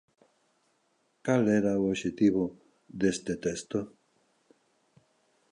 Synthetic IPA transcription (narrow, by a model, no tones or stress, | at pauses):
kalɛɾaooβʃet̪iβo | ðest̪et̪est̪o